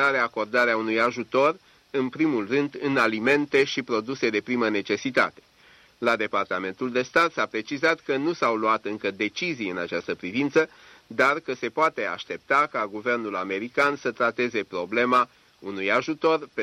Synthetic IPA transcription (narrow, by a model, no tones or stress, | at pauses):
aɾeako̞rd̪aɾeaunujaʒut̪o̞r | ɨnpɾimulrɨnd̪ɨnalime̞nt̪e̞ʃipɾo̞d̪use̞d̪e̞pɾiməne̞t͡ʃe̞sit̪a̰t̪e̞̥ | lad̪e̞part̪ame̞nt̪uld̪e̞st̪at̪sapɾe̞t͡ʃizat̪kənusawluat̪ɨŋkəd̪e̞t͡ʃizijɨnat͡ʃast̪əpɾivint̪sə | d̪arkəse̞poat̪e̞a̰ʃt̪e̞p̚t̪akaɡuve̞rnula̰me̞ɾikansət̪ɾat̪e̞ze̞pɾo̞ble̞ma | unujaʒut̪o̞rp